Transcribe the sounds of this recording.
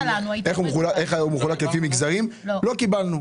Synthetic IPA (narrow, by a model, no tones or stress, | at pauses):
eχumχulaʔeχumexulakefimiɡzaʁimlo̞kibalnu